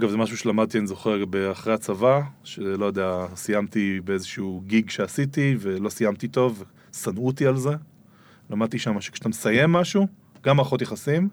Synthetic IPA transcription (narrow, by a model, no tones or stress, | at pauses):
aɡavzemaʃ̬uʃelamad̚t̪ianizo̞χeʁbeaχʁejat͡savaʃelo̞jod̪easijamt̪ibeezeʃuɡiɡʃe̞asitive̞lo̞sijamt̪it̪o̞v | sanut̪ialze̞ | lamad̪̚tiʃamaʃe̥kʃat̪amesaje̞mːaʃu | ɡ̥amaʁχo̞t̪jeχasim